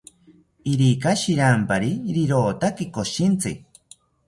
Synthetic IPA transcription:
iɾikaʃiɾampaɾiɾiɾoːt̪akikoʃint͡sɨ

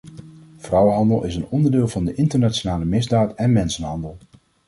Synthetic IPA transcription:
v̥rʌwənɦɑndəlˠʔɪsənɔndəɹdɪːlˠvɑndəʔɪntəɹnaːt͡ʃonaːləmɪzdaːtɛnmɛnsənɦɑndəlˠ

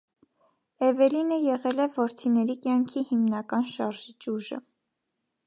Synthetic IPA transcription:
ɛvɛlinəjɛʁɛlɛvɔɾt̪ʰinɛɾikjɑŋkʰihimnɑkɑnʃɑɾʒit͡ʃuʒə̰

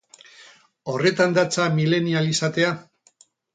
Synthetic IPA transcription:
o̞re̞t̪and̪at͡samile̞nialisat̪e̞a

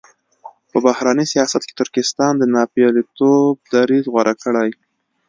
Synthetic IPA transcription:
pəbahɾɑnəsijɑsat̪ke̥t̪ʊɾkɪst̪ɑnd̪ənɑpjɑlit̪ob̚d̪aɾizɣwaɾʔakəɽaj

